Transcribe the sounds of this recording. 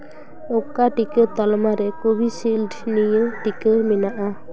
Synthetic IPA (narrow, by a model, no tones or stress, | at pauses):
ɔkːaʈikət̪ɔlmaɾɛkubisilɖnijəʈikəminaʔa